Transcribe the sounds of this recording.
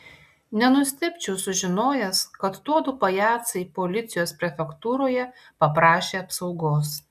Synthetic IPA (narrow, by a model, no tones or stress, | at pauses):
nʲɛnʊsʲt̪ʲɪpʲt͡ʃʲɛʊsʊʒʲɪnoːjɛskɐt̪t̪uɔd̪ʊpɐjæːt̪sɐɪpolʲɪt̪sʲɪjoːspʲɾʲɛfʲɛkt̪uːɾoːjɛ | pɐpɾɑːʃʲeːɐpsɒʊɡoːs